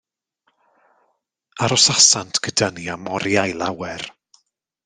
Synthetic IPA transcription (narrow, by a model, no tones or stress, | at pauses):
aɾɔsasantʰɡ̥ədəniamɔɾjajlˠawɛr